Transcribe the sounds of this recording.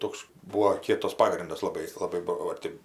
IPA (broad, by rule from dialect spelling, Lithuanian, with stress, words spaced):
ˈtoːks ˈbuːoː ˈkʲiɛtɐs ˈpɑːɡrʲɪndɐs lˠɐˈbɐɪ lˠɐˈbɐɪ ˈbʊʋoː ˈtʲeːp